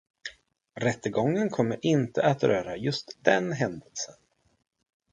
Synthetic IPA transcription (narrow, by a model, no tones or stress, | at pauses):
ɾɛt̪ːəɡɔŋːənkʰɔmːəɾʔɪnt̪əʔat̪ɾœːɾajɵst̪d̪ɛnɦɛnd̪əlsən